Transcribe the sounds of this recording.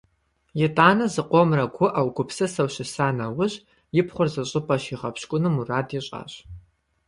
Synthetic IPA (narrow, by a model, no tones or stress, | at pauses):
jɛtʼaːnɐzɨqʷɔmrɐɡʷʰʊʔawɡʷʊpsɐsɐwʃɕɪsaːnɐwʊʑ | jɪpʰχʷʊrzɐɕʼɪpʼɐɕiʁɐpɕkʷʼʊnɨmuraːdiɕʼa̰ːɕ